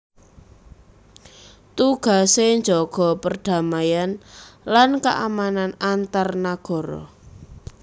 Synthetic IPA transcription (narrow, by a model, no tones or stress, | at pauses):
t̪uɡ̥a̤seɲd͡ʒɔɡ̥ɔ̤pərd̥a̤majanlankaʔamananant̪arnaɡ̥ɔ̤ɾɔ̰